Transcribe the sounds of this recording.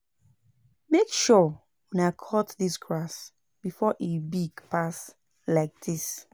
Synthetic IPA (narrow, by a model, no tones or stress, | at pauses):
mekʃɔ | wɛ̃nakʰɔtðisɡɹas | b̥ifɔʔebiɡpas | laɪk̚dis